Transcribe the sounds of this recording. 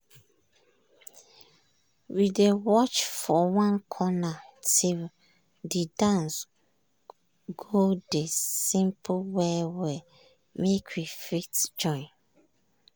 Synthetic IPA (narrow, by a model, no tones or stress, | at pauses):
widewɔt͡ʃfɔwãnkʰɔnatʰil | didãns | ɡodesĩmpʰwɛwɛ | mekʰwifitd͡ʒɔ̃ɪ̃n